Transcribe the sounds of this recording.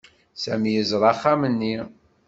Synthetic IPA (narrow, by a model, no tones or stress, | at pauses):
sæmjəzɾˤɑχːamənːi